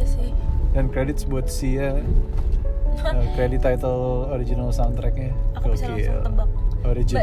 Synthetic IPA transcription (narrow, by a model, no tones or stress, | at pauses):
dankɾedɪt̪sbuat̪sia | əkɾedit̪ːajt̪əloɾid͡ʒinalsawnt̪ɾɛk̚ɲaokeə̰oɾid͡ʒi